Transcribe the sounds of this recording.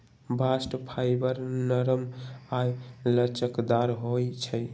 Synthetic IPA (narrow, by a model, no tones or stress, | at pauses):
basʈpʰajbəɾnəɾəmajlət͡ʃəkd̪aɾɦojt͡ʃʰəj